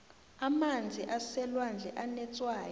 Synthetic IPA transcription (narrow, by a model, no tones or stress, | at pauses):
amand͡zʱiʔasɛlwand͡ɮʱɛʔanɛt͡sʼwaːj